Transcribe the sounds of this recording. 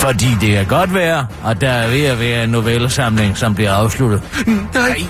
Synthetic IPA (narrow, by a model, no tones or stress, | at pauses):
fɒd̥ḭːd̥e̝kʰæɡ̥ɒ̽d̥ʋæːɐʔɒ̽d̥ɑʋe̝jaʋæːɐenːo̝ʋelsɑ̈mle̝ŋsɒ̽mb̥liɐɑ̈ʊslud̥ð̩ˠ